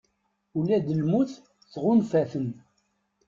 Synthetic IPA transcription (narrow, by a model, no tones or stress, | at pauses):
ulæd̪əlmuθː | ʁʊnfæθən